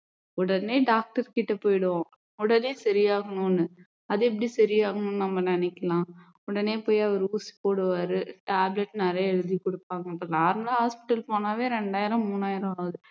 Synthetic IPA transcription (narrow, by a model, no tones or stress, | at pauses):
ɔɽɐneːɖaːk̚ʈɐɾkɪʈːɐpːoːjɽɯʋõː | ɔɽɐneːsɐɾɪjaːɣɐnʊ̃nːɯ | ɐðɯɛp̬ːɐɽisɐɾɪjaːɣɐɳʊ̃nːnɐmːɐnɪnɛkːɐlãː | ɔɽɐneːpoːjɐʋɐɾuːsi̥poːɽɯʋaːɾɯʈaːblɛʈːnaɾjɐɛɻɯðikɔɽɯpːaːŋɡɐɐpːɐnaːɾmɐlaɦaːspɪ̥ʈːɐlpoːnaːʋeːɾɛɳɖaːjɪɾɐ̃mmːuːnːaːjɪɾɐ̃aːʋɐðɯ